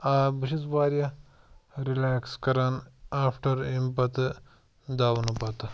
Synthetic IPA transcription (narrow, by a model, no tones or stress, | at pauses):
aːbuʃisʋaːɾjɐ | ɾilaːkskɐɾanaːpʰʈɐɾimpɐt̪ | d̪aːʋɐnupɐt̪